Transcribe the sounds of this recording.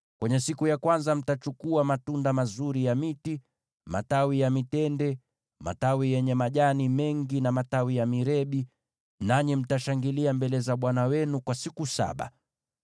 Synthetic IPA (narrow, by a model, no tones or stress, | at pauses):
kwɛɲɛsikujakwanzam̩tat͡ʃukuamatundamazuɾijamiti | ma̰tawijamitɛndɛ | ma̰tawijɛɲɛmaʄanimɛŋɡinamatawijamiɾɛɓi | naɲim̩taʃaŋɡiliambɛlɛzaɓwanawɛnukwasikusa̰ɓa̰